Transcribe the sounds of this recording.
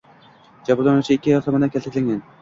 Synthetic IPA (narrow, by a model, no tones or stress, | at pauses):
d͡ʒabulanuwt͡ʃʰɪɪkʲʰːɪjɒlt̪ʰamad̪ankʲʰalt̪akʲlʲaŋɡʲan